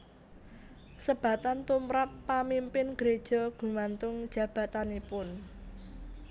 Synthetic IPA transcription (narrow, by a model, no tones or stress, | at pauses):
səb̥ä̤t̪ant̪umɾapːamimpɪnɡ̥ɾed̥ʒ̥ɔ̤ɡ̥ṳmant̪ʊŋd̥ʒ̥ä̤b̥a̤t̪anepʊn